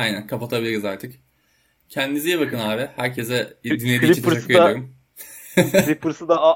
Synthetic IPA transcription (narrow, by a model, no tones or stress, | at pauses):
ajnænkʰapat̪ʰabilʲiɾizaɾt̪ʰɯk | cʰɛnd̪inizijɛbakɯnaːbɪhæɾcʰezɛd̪inːʲediiiaɯjaoɾum | lʲipuɾusɯd̪a